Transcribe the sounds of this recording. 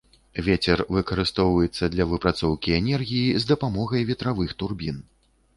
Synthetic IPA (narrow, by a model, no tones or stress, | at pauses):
vʲet͡sʲɛrvɨkɐɾɨst̪ɔwvɐjɛt̪sːɐd̪lʲɐvɨpɾat̪sɔwkʲiɛnʲɛrɣʲijizd̪ɐpamɔɣɐjvʲɛt̪ɾavɨxt̪urbʲin